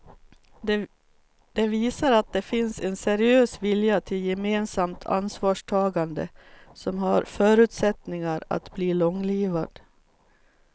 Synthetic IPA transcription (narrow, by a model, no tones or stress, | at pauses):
d̪̥ɛviːsaɾat̪̚d̪ɛfɪnsɛnsɛɾɪøːsvɪljat̪ʰɪljɛmeːnsamt̪ʰa̰nsvɑːʂʈʰɑːɡand̪ə̰sɔmɦaɾfœːɾʉ̟ːt̪sɛt̪nɪŋaɾa̰t̪bliːlɔŋːliːva̰d̪